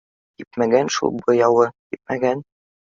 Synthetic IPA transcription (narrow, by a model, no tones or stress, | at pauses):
jipmæɡænʃṵlˠbɤ̆jɑwɤk̪ip̚mæɡæn